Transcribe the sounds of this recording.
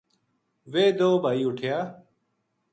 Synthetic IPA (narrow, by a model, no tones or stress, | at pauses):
ʋeːd̪oːbʱaːiːʊʈʰjaː